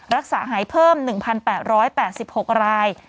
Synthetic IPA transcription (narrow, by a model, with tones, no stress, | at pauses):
ɾa˦˥k̚saː˩˦ɦaː˩˦jpʰɤː˥˩mnɯ˨˩ŋpʰa˧npɛː˨˩t̪̚ɾɔː˦˥jpɛː˨˩t̪̚si˨˩p̚ho˨˩k̚ɾaː˧j